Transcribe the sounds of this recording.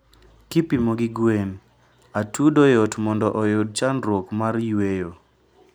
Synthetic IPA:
kipimoɡɪɡwen | atudɔjotmɔndɔʔɔjod̚t͡ʃanɾwokmarjwejo

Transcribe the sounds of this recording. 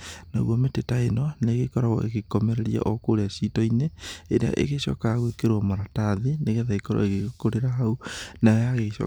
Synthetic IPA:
na̰ɣwɔmetetaenɔneɣekɔɾaɣɔ̰ḛɣekɔmɛɾɛɾia̰ʔɔkoɾeasitɔineeɾea̰ʔḛɣeɕɔ̰kaɣwekeɾwɔmoɾataðeneɣeðaikɔɾɔ̰eɣekoɾeɾaɦaunaɔjaɣeʃɔ̰

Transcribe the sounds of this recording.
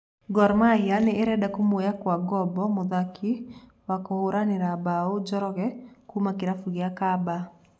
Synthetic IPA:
ɡɔɾmajaneːɾɛdakomojakwaɡɔbɔmoðakʰi | wakooɾaneɾabaod͡ʒɔɾɔɣɛkumakeɾafuɣeakaba

